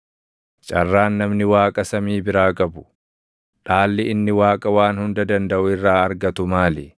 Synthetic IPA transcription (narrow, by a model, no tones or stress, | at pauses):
t͡ʃʼɐrːaːnːɐmnɪwaːkʼɐsɐmiːbɪɾaːkʼɐbʊ̥ | ᶑaːlːɪɪnːɪwaːkʼɐwaːnhʊnd̪ɐd̪ɐnd̪ɐʔʊɪrːaːɐɾɡɐt̪ʊmaːlɪ